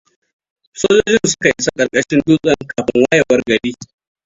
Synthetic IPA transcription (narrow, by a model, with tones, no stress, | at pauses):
soː˦d͡ʒoː˦d͡ʒɪ˦nsʊ̥˦ka˨ʔɪ˦sa˦kʼɐ˨rkʼɐ˦ʃɪ˦nduː˦kʼɐ˦ŋkaː˨ɸɪ˦ŋwaː˦jɐ˨wɐ˦rɡɐ˨ɽiː˦